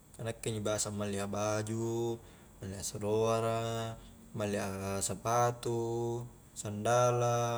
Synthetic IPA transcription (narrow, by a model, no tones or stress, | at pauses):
anakːɛɲibasamaliabad͡ʒu | maliasɔɾoaɾa | maliasəpat̪u | sandala